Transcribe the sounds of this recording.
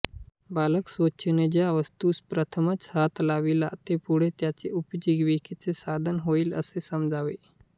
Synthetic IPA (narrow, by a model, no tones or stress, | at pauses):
baləksʋoɕʰəned͡ʑjaʋəst̪uːspɾət̪ʰəmət͡shat̪laʋila̰t̪epuɽ̤et̪jat͡seʔupd͡ʑiɡʋikit͡sesad̪ʱənɦoiːlə̰sesəmd͡zʱaʋe